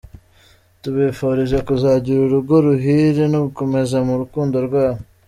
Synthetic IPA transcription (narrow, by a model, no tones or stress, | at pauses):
t̪ubefoɾizakuzaːd͡ʑiɾuɾuɡoɾuɦiɾinukumezɐmuɾkund̪oɾɡaː